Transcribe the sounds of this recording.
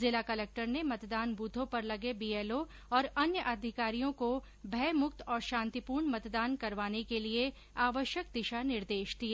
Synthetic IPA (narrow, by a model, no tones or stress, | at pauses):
zɪlakɐlɛk̚ʈəɾnemɐt̪d̪aːnbuːd̪ʱõpɐɾlɐɡebiːeːlo | ɔːɾɐnjəʔɐd̪ʱɪkaːɾijõko | bʱɛːmʊk̚t̪ɔːɾʃãːnt̪ipuːɾɳmɐt̪d̪aːnkɐɾʋaːnekelie | aːʋəʃjəkd̪ɪʃanɪɾd̪eːʃd̪ijaː